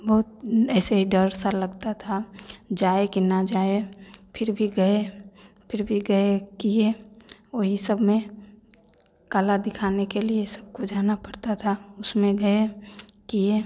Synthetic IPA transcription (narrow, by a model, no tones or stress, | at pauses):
bɔːt̪̚ɛːseɦiɖəɾsalɐɡt̪at̪ʰad͡ʒaːekinad͡ʒaːepʰɪɾbʱiɡɐe | pʰɪɾbʱiɡɐekieoɦisɐbʱmẽ | kalad̪ɪkʰaːnekeliesɐb̚kod͡ʒaːnapɐɽt̪at̪ʰaʊsmẽɡɐekije